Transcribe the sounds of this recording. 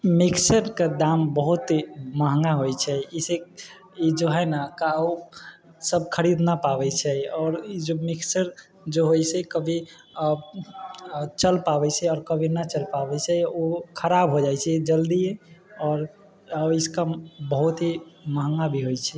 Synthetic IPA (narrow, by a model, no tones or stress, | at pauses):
miksəɾked̪ambəɦut̪məɦŋɡaɦojt͡ʃʰɛise | id͡ʒoɦɛnakao | səb̚ʱkʰəɾid̪napabɛt͡ʃʰɛɔːɾid͡ʒomiksəɾ | d͡ʒoɦojsɛkəbʱi | t͡ʃəlpabɛt͡ʃʰɛɔːɾkəbʱinat͡ʃəlpabɛt͡ʃʰɛokʰəɾabɦod͡ʒajt͡ʃʰɛd͡ʒəld̪ieɔːɾ | iskabəɦut̪ɦiməɦŋɡabʱiɦojt͡ʃʰɛ